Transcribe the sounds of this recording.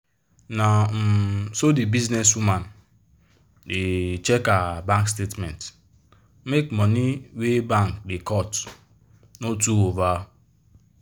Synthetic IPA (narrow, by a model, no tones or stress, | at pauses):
nam̩sodibiznes̬uman | det͡ʃekabãŋkstetmɛ̰̃nt | mekmɔniwebaŋkdekɔt | notuwova